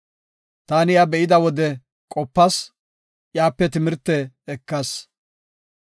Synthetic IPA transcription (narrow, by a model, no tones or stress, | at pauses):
t̪aːnɪjabɛʔɪd̪ɐwɔd̪ɛ | kʼɔpːɐs | jaːpːɛt̪ɪmɪɾt̪ːɛ | ɛkːɐs